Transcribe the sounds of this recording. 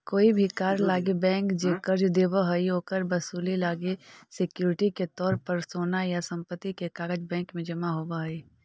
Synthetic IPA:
koːibʱikaːɾlaːɡebɛ̃ːŋkd͡ʒeːkəɾd͡ʒd̪eːbaɦəiɦoːkəɾbɐsuːlilaːɡesɪkjuːɾɪʈiket̪ɔːɾpəɾsoːnajasɐ̃mpət̪ːikekaːɡəd͡ʒbɛ̃ːŋkmẽd͡ʒɐmaɦoːbaɦɐi

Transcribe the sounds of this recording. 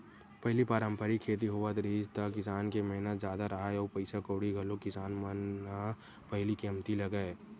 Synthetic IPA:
pɐɦlipaːɾə̃mpəɾikʰeːt̪̬iɦoʋət̪ɾiːd͡ʒt̪akɪsaːnkemɛɦnət̪zjaːd̪aɾɐɦaeɔːɾpɐɪsakoːɽiɡʱɐlokɪsaːnməna | pɐɦlikiəmt̪ilɐɡae

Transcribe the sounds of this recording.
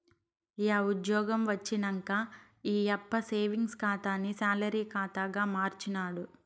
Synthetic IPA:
iaːud̪jɔːɡɐmʋɐt͡ʃːinɐŋkaː | iːɐpːɐseːʋiŋɡskaːt̪aːnisaːlɐɾiːkaːt̪aːɡaːmaːɾt͡ʃinaːɽu

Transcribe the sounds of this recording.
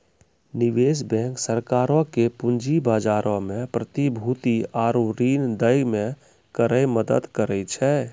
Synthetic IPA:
niʋeːsbɛ̃ŋksəɾkaːɾɔ̃kepund͡ʒibaːd͡ʒaːɾʔɔ̃mẽpɾət̪ibʱut̪iaːɾuɾind̪əjmẽ | kəɾəjməd̪əd̪kəɾɛt͡ʃʰɛ

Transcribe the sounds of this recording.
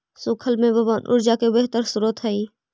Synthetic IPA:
sʊkʰəlmẽbɐbaːnʔʊ̰ɾd͡ʒakebeɦt̪əɾsʊɾət̪ɦɛiː

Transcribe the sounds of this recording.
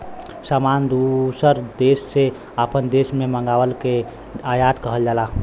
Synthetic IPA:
samand̪usəɾd̪esːe | əpənd̪esmeməŋɡawəlke | ajat̪kəɦəld͡ʒala

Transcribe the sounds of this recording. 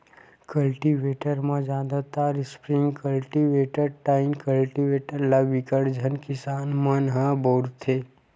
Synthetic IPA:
kəlʈiʋeːʈəɾmãd͡ʒaːd̪at̪aːɾɪspɾɪ̃ŋɡkəlʈiʋeːʈəɾ̚ʈaːɪnkəlʈiʋeːʈəɾlaʋɪkəɽd͡ʒʱənkɪsaːnmənɦãboːɾt̪ʰe

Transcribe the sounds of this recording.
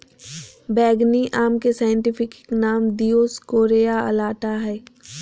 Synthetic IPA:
bɛːɡniʔaːmkesaːjə̃ɳʈɪpʰɪkɪknaːmd̪ijoːskoːɾejaɐ̰laːʈaɦɛː

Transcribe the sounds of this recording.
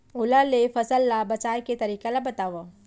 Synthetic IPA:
ʊlalefɐsəlːabɐt͡ʃaːjket̪ɐɾiːkalabɐt̪aːʋa

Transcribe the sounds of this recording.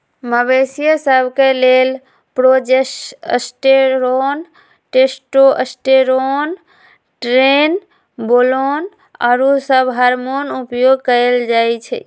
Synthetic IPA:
məbesijəsəbʱkelel | pɾod͡ʒeə̰sʈeɾon | ʈesʈoʔəsʈeɾon | ʈɾen | bolon | a̰ɾosəbɦaɾmonupjoɡkəld͡ʒajt͡ʃʰɛ̰

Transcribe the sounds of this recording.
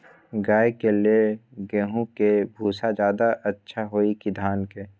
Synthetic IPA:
ɡaːekelieɡeːɦũkebʱuːsad͡ʒjaːd̪aʔətːʃʰaɦoːikid̪ʱaːnke

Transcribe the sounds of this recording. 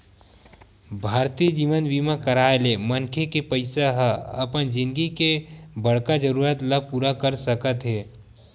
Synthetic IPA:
bʱaːɾt̪id͡ʒiːʋənbiːmakəɾaːelemənkʰekepəɪsaɦəɐpənd͡ʒɪ̃nd̪ɡikebəɽ̤kad͡ʒəɾuːɾət̪ləb̚puːɾakəɾsəkət̪ɦeː

